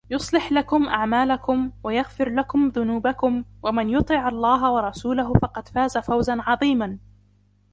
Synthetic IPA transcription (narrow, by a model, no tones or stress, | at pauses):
jʊsˤlɪħlakʊmʔaʕmaːlakʊmwajaɣfɪɾlakʊmðʊnuːbakʊmwamɪnjʊt̪ˤiːʕɑlˤːɑːɦawɑɾˤɑsuːlaɦʊfɑqɑd̪faːzafawzanʕɑðˤiːman